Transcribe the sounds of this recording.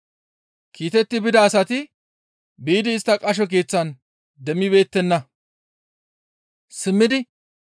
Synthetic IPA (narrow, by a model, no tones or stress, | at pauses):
kʰiːt̪ɛt̪ːɪbɪd̪ɐːsɐt̪ɪ | biːd̪ɪːst̪ːɐkʼɐʃ̬ɔk̬eːt͡sːɐn | d̪ɛmːɪbe̞ːt̪ːɛnːɐ | sɪmːɪd̪ɪ